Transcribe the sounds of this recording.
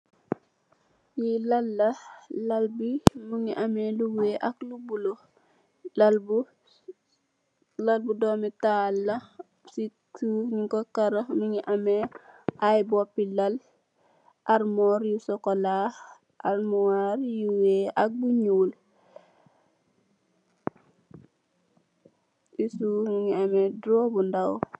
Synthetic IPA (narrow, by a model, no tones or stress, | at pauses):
jilɐlːɐlɐlbimuŋiʔɐmɛluweʔɐklubulo | ll | lɐlbudɔːmitaːlːɐ | situːɲikɔkɐɾɐmuŋiʔɐmɛajbɔpːilɐl | ʔaɾmɔɾjusɔkɔla | ʔaɾmuwaɾjuweʔak̚buɲuːl | ʔisumiŋiɐmɛdɾɔːbundaw